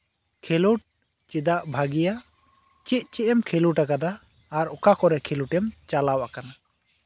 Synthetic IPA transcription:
kʰeluʈ̚ | t͡ʃid̪aʔbʱaɡija | t͡ʃiʔ̪̚ˀt͡ʃɛʔɛmkʰɛluʈakad̪aː | ɾɔkakɔɾɛkʰeluʈɛmt͡ʃalawakana

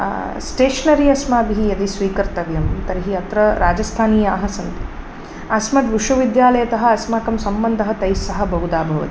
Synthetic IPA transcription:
sʈeːʃɐnɐɾiɐsmaːbiɦijɐd̪isʋiːkɐɾt̪ɐʋjɐmt̪ɐɾiɦiɐt̪ɾɐɾaːd͡ʒɐst̪ʰaːniːjaːɦɐ̆sɐnt̪i̥ | ɐsmɐt̪ʋiʂʋɐʋid̪jaːlɐjɐt̪ɐɦɐ̆ɐsmaːkɐmsɐmbɐnd̪ʱɐɦɐt̪ɐjsɐɦɐ̆bʱɐɦud̪aːbʱɐʋɐ̰t̪i̥

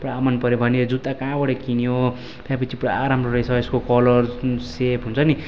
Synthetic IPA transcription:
pramanpʌɾjobʱʌneʌd͡zut̪ːakãbʌɽʌkinio | pʰapʌt͡sʰiprʌaɾamroɾesʰʌeskokʌlʌrsepʰɦunt͡sʰʌni

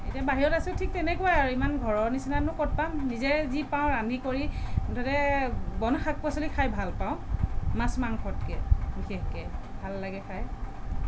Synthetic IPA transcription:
ejtiabaɦiɹɔtasiltʰik̚tɛnɛkuwajaɹuimanɡʱɔɹɔɹnisinanʊkɔt̚pamnizɛzipãʊ̃ɹandʱikoɹidɔtɛbɔnxak̚pɔsɔlikʰajbʱalpãʊ̃mãsmaŋkʰɔtkɛbixexkɛ | bʱalːaɡɛkʰaj

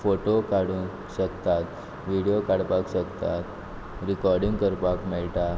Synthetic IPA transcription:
foʈokaɽũ | ɕəkt̪at̪ | ʋiɽijokaɽpakɕəkt̪at̪ | ɾikɔɾɖĩŋɡkəɾpakmɛɭʈa

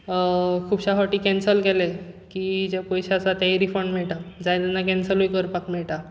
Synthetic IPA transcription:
kʰuːbɕafaʈiːkɛnsəlkelekiːd͡ʑepojɕasat̪aiɾifəɳɖm̤ɛɭʈad͡zajt̪ɛnːakɛnsəlujkəɾpakmɛɭʈa

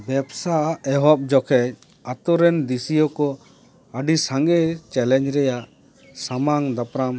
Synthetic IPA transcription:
bɛbsaɛɦɔp̚d͡ʒɔkʰɛc̚ | at̪ɔɾɛnd̪isijɔkɔ | əɖisaŋɡɛt͡ʃɛlɛɲd͡ʒɾɛjaʔ | samaŋd̪apɾam

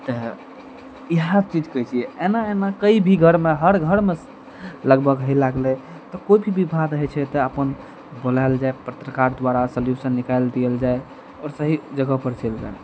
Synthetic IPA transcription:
t̪ɔ | iɦãt͡ʃid͡ʒkəit͡ʃʰijɛenaenakəibʱiɡʱəɾmeɦəɾɡʱəɾme | ləɡbʱəɡɦəlaɡle | t̪ɔkoibʱibibʱad̪ɦɛt͡ʃʰɛt̪ɔəpən | bolaeld͡ʒaepət̪ɾəkaɾd̪waɾasəljusənːikaɪld̪iəld͡ʒae | ɔɾsəɦid͡ʒəɡəpəɾt͡ʃeld͡ʒa̰e

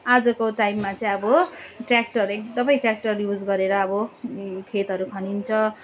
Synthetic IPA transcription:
ad͡zʌkoʈajmːat͡sʌĩʌbʌʈrak̚ʈʌɾekd̪ʌmʌj̃ʈrjak̚ʈʌrjud͡zɡʌɾeɾʌːbʌkʰet̪ɦʌɾukʰʌnint͡sʰʌ

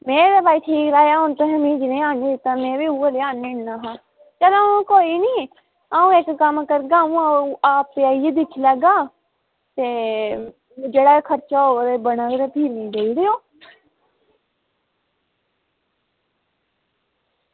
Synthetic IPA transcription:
mẽːɾabaːiːʈʰiːkɾaːjaːʊnt̪õɦəmĩːd͡ʒɪnẽːaːned̪ɪt̪ːaːmɛ̃ːbiːuːəleːaːnːeɳnaːɦãː | t͡ʃɛlãːõkoːiːnĩː | aːũːekkəmkəɾɡãːũːaaːpːeaːied̪ɪkʰlɛːɡaː | t̪eː | d͡ʒeːɽaːkʰəɾt͡ʃaːoːɾebənaːɡɾepʰiːɾnĩːdeːiɾeoː

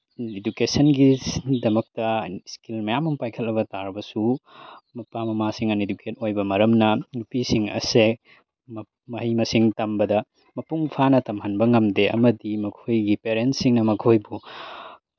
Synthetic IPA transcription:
edukesɐnɡidɐmɐk̚tɐskilmɐjamɐmpajkʰɐlːɐbɐtaɾbɐsumɐpamɐmasiŋɐnedukʰet̚ojbɐmɐɾɐmnɐnupisiŋɐ̰se | m | mɐɦɐjmɐsiŋtɐmbɐdɐ | mɐpuŋpʰanɐtɐmhɐnbɐŋɐmdeʔɐ̰mɐdimɐkʰojɡipeɾentsiŋnɐmɐkʰojbu

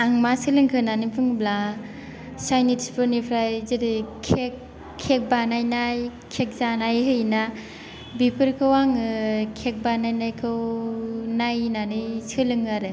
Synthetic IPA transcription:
aŋmasɯlɯŋkʰɯnanɯpʰɯŋbla | sajnitspʰɯɾnipʰɾajzidikʰek̚ʰː | ek̚banajnaj | kʰek̚zanajɦɯjna | bipʰɯɾkʰɯwaŋkʰek̚banajnajkʰɯw | najnanɯjsɯlɯŋaɾɯ

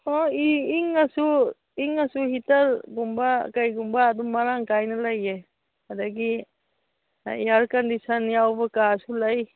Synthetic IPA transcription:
ɔiːŋasu | iŋasuhitaɾɡumbakajɡumbaːdumaɾaŋkajnɐlaje | adaɡi | eaɾkandisanjawbɐkasulaj

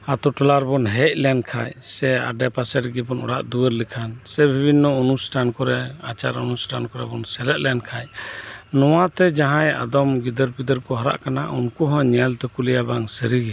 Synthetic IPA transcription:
at̪ɔʈɔlaɾbɔnɦɛc̚lɛnkʰa̰jsɛa̰ɖɛpasɛɾɡɛbɔnɔ̰ɽaʔd̪uwəɾlikʰansɛbʱibʱinːɔunusʈankɔɾɛat͡ʃaɾunusʈankɔɾɛ̰bɔnsɛlɛt̪̚lɛnkʰajnɔwat̪ɛd͡ʒaɦãja̰d̪ɔmɡid̪əɾpid̪əɾkɔɦɔɾa̰ʔkanaʔunkuɦɔ̃ɲɛlt̪ɛkulijabaŋsəɾiɡi

